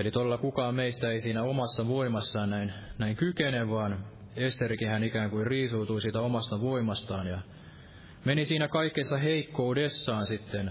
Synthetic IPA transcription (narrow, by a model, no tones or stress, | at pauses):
elit̪olːɑkukɑːmmeist̪æeisiːnæomɑsːɑʋoimɑsːɑːnnæinnæiŋkykeneʋːɑːn | est̪erkihænikæːŋkuirriːsuːt̪uisiːt̪æomɑst̪ɑʋoimɑst̪ɑːnjɑ | menisiːnækɑikːesːɑheikːoudesːɑːnsit̪ːen